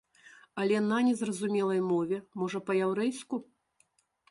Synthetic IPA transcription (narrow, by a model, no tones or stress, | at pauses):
ɐlʲɛnɐnʲɛzrɐzumʲɛlˠɐjmɔvʲɛmɔʐɐpɐjawɾɛjsku